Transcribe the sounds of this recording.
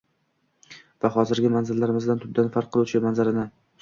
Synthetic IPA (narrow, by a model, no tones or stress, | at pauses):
vaχɒzɪɾɡʲɪmanzɪlːaɾɪmɪzd̪ant̪ʰʊb̚d̪anfaɾqʰːɨlˠut͡ʃʰɪmanzaɾɪnɪ